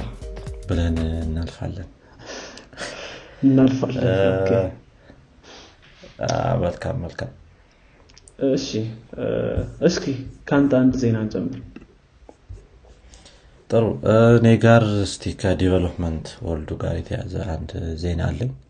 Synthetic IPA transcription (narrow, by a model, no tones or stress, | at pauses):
bɨlənɨnːalfa̰lːən | ɨnːalfalːəkʰːe | a̰məlkʰa̰mːəlkʰam | ɨʃːi | ɨskʰikʰant̪and̪ze̞nant͡ʃʼɛmːɨɾ | t̪ʼɨɾuneɡaɾɨst̪ʰikʰad̪evelopmənt̪ʰwɔld̪uɡa̰ɾjɛt̪ʰəja̰zə̰ʔand̪ze̞na̰lːəɲ